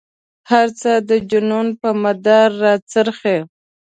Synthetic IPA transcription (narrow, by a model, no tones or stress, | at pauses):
haɾt͡səd̪əd͡ʒʊnunpəmad̪aɾːɑt͡səɾxe